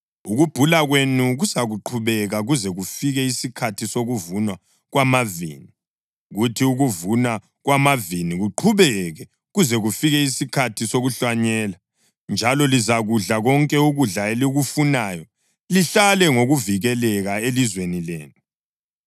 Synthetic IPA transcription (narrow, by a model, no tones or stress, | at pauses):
uɣub̥ʱulaɣwenuɣusaɣuǃʰuβɛɣaɣuzɛɣufiɣɛisikʰatʰisoɣuvunwa | ɣwamavḭːni | ɣutʰiuɣuvuna | ɣwamaviniɣuǃʰuβɛɣɛ | ɣuzɛɣufiɣɛisikʰatʰisoɣuɬwaɲɛːla | nd͡ʒʱalɔlizaɣuɮaɣɔŋkʼɛuɣuɮaeliɣufunaːjɔ | liɬalɛŋoɣuviɣɛlɛɣaelizwenilḛːnu